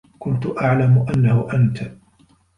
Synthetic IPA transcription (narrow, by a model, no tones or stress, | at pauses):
kʊnt̪ʊʔaʕlamʊʔanːahʊʔant̪